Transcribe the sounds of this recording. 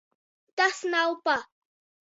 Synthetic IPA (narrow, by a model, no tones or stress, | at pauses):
t̪asnawpa